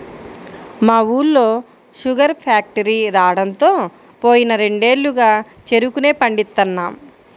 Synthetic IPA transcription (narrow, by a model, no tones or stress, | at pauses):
maːuːlːo̞ː | ʃuɡɐɾpʰaːk̚ʈɐɾiːɾaːɽɐnt̪o̞ː | po̞ːjinɐɾe̞ɳɖe̞ːlːuɡaː | t͡ʃe̞ɾukune̞ːpɐɳɖit̪ːɐnːaːm